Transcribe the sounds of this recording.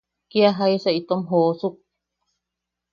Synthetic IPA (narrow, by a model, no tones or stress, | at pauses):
kiaɦaesait̪omɦosuk̚